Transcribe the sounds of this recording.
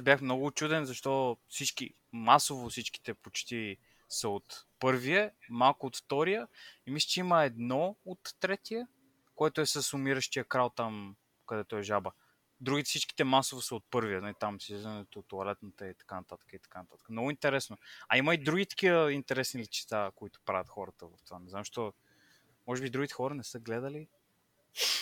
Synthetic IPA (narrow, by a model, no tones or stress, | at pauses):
zbʲjaxmnɔɡʊːt͡ʃud̪ɛnzɐʃt̪ɔfsit͡ʃkḭ | masovosit͡ʃki̥t̪ɛpot͡ʃt̪i | səot̪pɤɾviəmalˠkʊːt̪ft̪ɔɾijəimisli̥t͡ʃɛiməɛd̪nɔot̪ːɾɛt̪ijə | koɛt̪ʊɛsəsʊmiɾəʃt̪ijəkɾalˠt̪am | kɐd̪ɛt̪oɛʒabə | d̪ɾuɡʲit̪sit͡ʃki̥t̪ɛmasovəsəot̪̚pɤɾvijənalit̪amsizənɛt̪ot̪oɐlɛt̪nət̪əit̪ɐ̥kanɐt̪at̪ə̥kəit̪ɐ̥kant̪at̪əkəmnɔɡʊint̪ɛɾɛsnoɐiməid̪ɾuɡ̟ʲit̪ə̥k̟ivəint̪ɛɾɛsnilit͡ʃɛ̥t̪akoit̪ʊ̥pɾavʲjɐt̪xɔɾət̪əvɐft̪vanɛznamʃt̪ɔ | mɔʒɛbid̪ɾuɡʲit̪ɛ̥xɔɾənɛsɤɡlɛd̪əli